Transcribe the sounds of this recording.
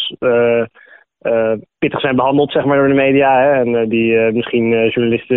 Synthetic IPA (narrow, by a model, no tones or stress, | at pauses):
ə | əpɪtəχsɛjnbəɦɑndəlˠtsɛχmaːɹdʊːɹdəmejdijaːɦɛɛnədiəmɪsχinəʒuɹnalɪstə